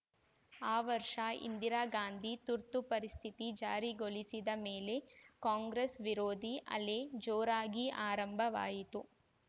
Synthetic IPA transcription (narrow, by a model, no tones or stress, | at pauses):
aːʋɐɾʂɐḭnd̪iɾaːɡaːnd̪ʱit̪uɾt̪upɐɾist̪ʰit̪id͡ʒaːɾiɡolisid̪ɐmeːlekaːŋɡɾesʋiɾoːd̪ʱiʔɐ̰led͡ʒoːɾaːɡiʔaːɾɐmbʱɐʋa̰ːjit̪u